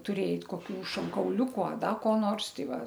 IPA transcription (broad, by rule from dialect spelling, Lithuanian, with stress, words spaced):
tʊˈrʲeːjɛɪ koːˈkʲuː ʃoːŋkɐʊˈlʲuːkʊ ɐ ˈdɐ koː ˈnoːrs ˈtɐɪ ˈʋɐ